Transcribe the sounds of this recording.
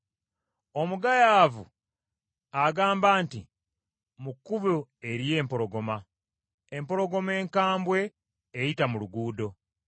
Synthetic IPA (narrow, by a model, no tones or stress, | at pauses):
o̞muɡajaːvu | aɡaːmbaːntḭ | mukːuβoe̞ɾije̞ːmpo̞ɾo̞ɡo̞ma | empo̞ɾo̞ɡo̞me̞ːŋkaːmbwe̞ː | jitamuluɡuːdo̞